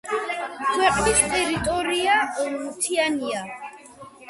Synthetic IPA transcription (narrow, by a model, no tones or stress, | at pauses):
kʰwɛqʼnist̪ʼɛɾit̪ʼɔɾiaɔmut̪ʰiania